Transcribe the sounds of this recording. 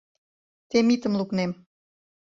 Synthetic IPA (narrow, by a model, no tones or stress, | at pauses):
t̪emit̪ə̆mluknem